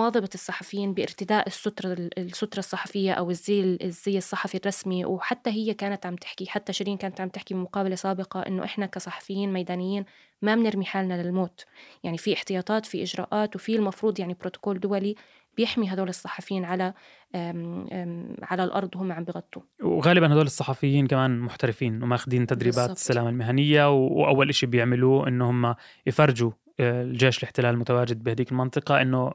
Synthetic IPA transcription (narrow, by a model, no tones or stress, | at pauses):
wɑːðˤɑbɑɨsˤːɑħɑfjiːnbɪʔɪɾt̪ɪd̪aːʔɪsːʊt̪ɾˤɑsːʊt̪ɾˤɑsˤːɑħɑfɪjːaʔawɪzːiːlzːiːɨsˤːɑħɑfirˤːɑsmiwħat̪ːaɦɪjːakaːnat̪ʕamt̪ɪ̥ħkiħat̪ːaʃɾiːnkaːnat̪ʕamt̪ɪħkiɪmʊqɑːbalasaːbɪqɑʔɪ̰nːo̰ʔɪħnakasˤɑħɑ̥fɪjːiːnmajd̪aːnɪjːiːn | mabɪnɪɾmiħaːlnalɪlmoːt̪jaʕnifiʔɪħt̪ɪjɑːt̪ˤɑːt̪fiʔɪʒɾɑ̰ːʔaːt̪wfilmɑfɾuːd̪ˤjaʕnibɾoːt̪ʊ̥koːld̪ʊwali | b̥jɪħmiɦad̪oːlɨsˤːɑ̥ħɑfjiːnʕala | ʕalalʔɑ̰ɾˤd̪ˤwhʊmːaʕambjɣɑt̪ˤːuwɣaːlɪbanhad̪oːlɨsˤːɑħɑfɪjːiːnkamaːnmʊħt̪aɾɪfiːnwmajɪxd̪iːnt̪ːad̪ɾiːbaːɪ̥sːalaːmalmɪɦanɪjːawʔa̰wːalʔaʃibjɪʕmɪluːʔɪ̰nːhʊmːa | jfɑrˤd͡ʒu | ld͡ʒeːʃɪlɪħt̪ɪlaːlmʊt̪awaːd͡ʒɪd̪̚bɪhad̪iːkɪlmɑnt̪ˤɨqɑʔɪnːo